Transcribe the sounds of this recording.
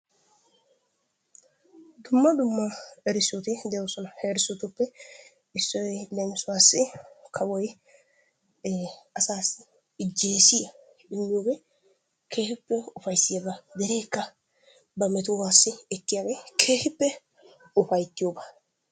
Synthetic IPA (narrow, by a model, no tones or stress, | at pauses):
d̪ʊmːɐd̪ʊmːɐɛɾɪsːɔt̪ɪd̪ɛjɔsɔnɐheːɾɪsʊt̪ʊpːɛ | ɪsːɔjlɛmɪsʊwaːsːɪkʰɐwɔj | ɐsaːsɪ | ɪd͡ʒːeːsɪjɐ | ɪmːɪjoːɡɛ | kʰe̞ːhɪpːɛʊfɐjsːɪjɐbɐd̪ɛɾe̞ːkːɐ | bɐmɛt̪ʊwaːsːɪɛkːɪjaːɡeːkʰeːhɪpːɛ | ʊfɐjt̪ːɪjoːba